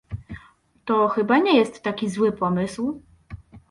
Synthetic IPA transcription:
t̪ɔxɘbaɲɛjɛst̪ːakʲizwɘpɔmɘsw

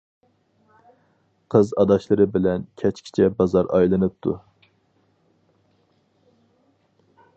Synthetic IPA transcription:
qʰɨzɑd̪ɑʃlˠɨɾɨbɪlɛnkʲʰɛt͡ʃkʲʰi̥t͡ʃʰɛbɑzɑɾʔɑ̰jlˠɨnɨp̚t̪ʰu

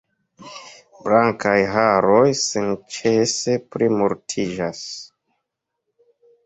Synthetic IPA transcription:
blaŋkajɦaɾojsent͡ʃese̞pɾimuɾtʰid͡ʒas

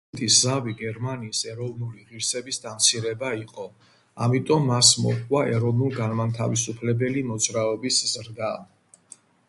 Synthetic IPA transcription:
t̪ʼiszaviɡɛɾmaniːsɛɾɔvnuliʁiɾsɛbisd̪amt̪sʰiɾɛbaiqʼɔ | a̰mit̪ʼɔmːasmɔ̰χwaʔɛɾɔvnulˠɡanmant̪ʰa̰visupʰlɛbɛlimɔd̪zɾaɔbiszɾɡa

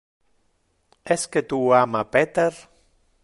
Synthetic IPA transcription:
esket̪uamapet̪eɾ

